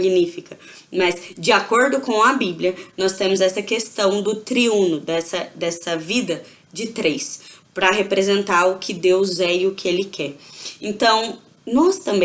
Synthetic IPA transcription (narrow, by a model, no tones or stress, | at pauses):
ɡinifikɐ | mɐsd͡ʒɪakoɾd̪ʊkõw̃ɐbiblʲiɐnɔst̪ẽmʊzɛsɐkest̪ɐ̃w̃d̪ʊt̪ɾiũnʊd̪ɛsɐd̪ɛsɐvid̪ɐ | d͡ʒɪt̪ɾejspɾɐɦepɾezẽnt̪aɾʊkʰɪd̪ewzɛɪʊkɪelɪkʰɛɾẽnt̪ɐ̃w̃ | nɔst̪ɐ̃mbẽ